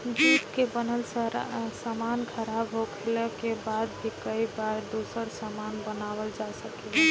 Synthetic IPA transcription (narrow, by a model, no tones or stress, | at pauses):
d͡ʒit̪kebənəlsəɾsamankʰəɾabɦokʰeləkebad̪̚bʱikəibaɾd̪osəɾsamanbənabəld͡ʒasəkɛ